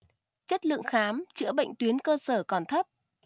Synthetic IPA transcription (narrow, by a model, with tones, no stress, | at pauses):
t͡ɕə˦˥t̚lɨ̰˧˨əŋxaː˨˦mt͡ɕɨ̰˧˥əɓə̰˧˨jŋ̟t̪wi˨˦ənkəː˧səː˧˩kɔ˨˩nt̪ʰə˦˥p̚